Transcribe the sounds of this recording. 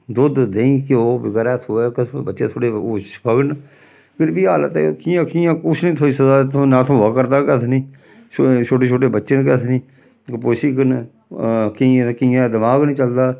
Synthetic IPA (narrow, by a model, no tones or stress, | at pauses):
d̪ʊd̪d̪ẽĩːkɪoːbɪɡɾaːt̪ʰoːɛkəsʰbətːʃḛ̃ːt̪ʰoːɽeːoːʃpəɡn | pʰɪɾbiːɦaːlət̪ekĩːjãːkiːjãːkʊt͡ʃʰnĩːt̪ʰoːiːsəzaːt̪ʰõːnãːt̪ʰõːʋəkəɾd̪aːkət̪ʰnĩː | t͡ʃʰoːʈeːt͡ʃʰoːʈeːbətːʃənk̬ət̪ʰniː | kpoʃiːkən | kikiːãːd̪ɪmaːɡnĩːt͡ʃəld̪aː